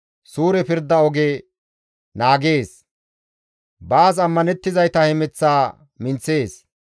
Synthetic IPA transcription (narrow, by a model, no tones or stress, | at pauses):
suːɾɛpɪɾd̪ːɐɔɡe | naːɡe̞ːs | baːsɐmːɐnɛt̪ːɪzɐjt̪ɐhɛmɛt͡sːaː | mɪnt͡sːe̞ːs